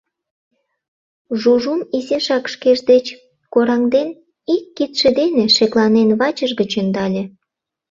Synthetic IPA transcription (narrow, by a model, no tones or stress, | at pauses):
ʒuʒumizeʃɑkʃkeʒd̪et͡ɕ | koɾɑŋd̪en | ikːit̪ʃĕd̪eneʃeklɑnenβɑt͡ɕəʒɡət͡ɕənd̪ɑlʲe